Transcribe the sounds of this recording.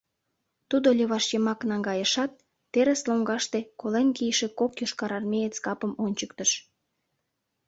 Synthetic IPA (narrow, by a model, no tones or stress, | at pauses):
t̪ud̪olʲeβɑʃjəmɑknɑŋɡɑjəʃɑt̪̚ː | eɾesloŋɡɑʃt̪ekolenkijʃekokjoʃkɑɾɑrmʲejet͡skɑpəmonʲt͡ɕəkt̪əʃ